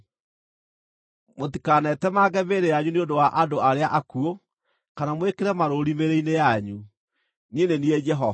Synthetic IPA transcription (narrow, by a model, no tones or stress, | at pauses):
motikanɛtɛmaːɡɛbeɾejaɲuneondowaʔadoaɾeaʔakuo | kanamwekeɾɛmaɾoɾimeɾeinejaɲu | nienenied͡ʒɛɦɔ